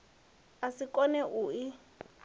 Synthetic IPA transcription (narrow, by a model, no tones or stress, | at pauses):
asikʼɔnɛʔuːi